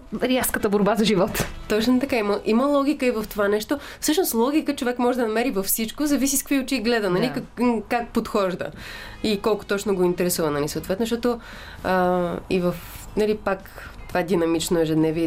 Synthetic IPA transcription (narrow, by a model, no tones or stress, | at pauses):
ɾiafskət̪əboɾbazɐʒivɔt̪t̪ɔt͡ʃnot̪ɐkaiməʔiməlˠɔɡʲikəivəft̪ovanɛʃt̪o | fsɤʃnoslˠɔɡʲikət͡ʃovɛkmɔʒɛd̪ɐnɐmɛɾivɐfsit͡ʃkozɐvisiskəkviʊt͡ʃiɡlɛd̪ənɐlikkak̚pot̪xɔʒd̪ə̰ | ikɔlˠkʊ̥t̪ɔt͡ʃnoɡoint̪ɛɾɛsuvɐnɐlʲisɐoːt̪vɛt̪noʃt̪ɔt̪o | əḭvəfnɐlipak | t̪ovad̪inɐmit͡ʃnoɛʒɛd̪nɛviɛ